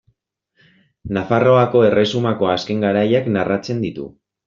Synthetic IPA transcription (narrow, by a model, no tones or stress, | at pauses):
nafaro̞ako̞e̞re̞sumako̞aske̞ŋɡaɾajaknarʔat͡se̞nd̪it̪ṵ